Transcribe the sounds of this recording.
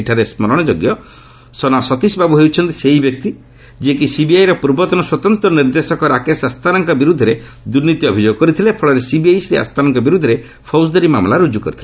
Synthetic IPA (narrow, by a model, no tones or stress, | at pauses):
ʈʰaɾesmɔɾɔɽ̃ɔd͡ʒoɡjɔ | sɔnasɔt̪isbʱabuɦewt͡ʃʰɔnt̪iseɦibjɔk̚t̪i | d͡ʒiek̬isibiajɾɔpuɾbɔt̪ɔnɔswɔt̪ɔnt̪ɾɔniɾd̪esɔkɔɾakesast̪ʰanaŋkɔbiɾud̪ʱːɔɾe | d̪uɾnit̪iɔbʱid͡ʒoɡɔkɔɾit̪ʰilepʰɔɭɔɾesibiajsɾia̰st̪ʰanɔŋkɔbiɾud̪ʱːɔɾe | pʰɔws̬d̪ɔɾimamlaɾud͡ʒukɔɾit̪ʰile